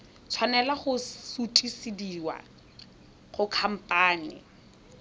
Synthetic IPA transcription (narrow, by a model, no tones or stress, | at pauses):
t͡sʰwanɛlaχʊsutʼisidiːwa̰ | χʊkʰam̩pʼaːnɪ̰